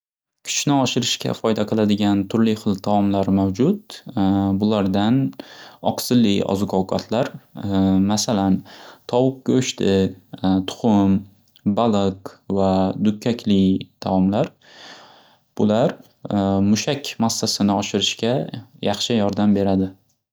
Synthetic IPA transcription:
kʲʰʊ̥t͡ʃnɪɒʃɪɾɪʃkʲa̰fɒjd̪aqʰɨlˠad̪ɪɡʲant̪ʰʊɾlɪχɨlˠt̪ʰaɒmlaɾmawd͡ʒʊt̪̚ | bʊlaɾd̪anɒ̰qsɪlːɪɒ̰zʊkʰɒwkʰɒt̪ʰlaɾ | masalant̪ʰɒwʊq̚kʲaʊʃt̪ʰɪt̪ʰʊ̥χʊm | balˠɨqvad̪ʊkʲʰːakʲʰlɪt̪ʰawɒmlaɾ | b̥ʊlaɾ | mʊʃakʲmasːasɪnɪɒʃɪɾɪʃkʲajʔɑχʃɪjɒɾd̪ambe̞ɾad̪ɪ

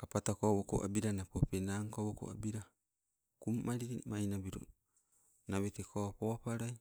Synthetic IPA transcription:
apatakowoko̰ʔa̰biɾanapopenaŋkowoko̰abiɾa | kummaɾiɾimajnabiɾo̰ | naβet̪ekoapoapaɾai

